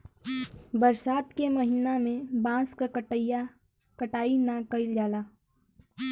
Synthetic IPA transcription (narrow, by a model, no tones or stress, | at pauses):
bəɾsaːt̪keməɦiːnamẽbãːskaja | kəʈaːinakəɪld͡ʒaːlaː